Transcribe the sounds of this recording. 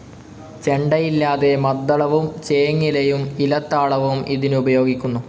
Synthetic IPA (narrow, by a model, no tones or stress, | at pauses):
t͡ɕeɳɖɐjilːaːðe̞mɐd̪ːɐɭɐʋumt͡ɕeːŋːilɐjumilɐt̪ːaːɭɐʋumʔiðinɨubɐjo̞ːɡikʲːunːu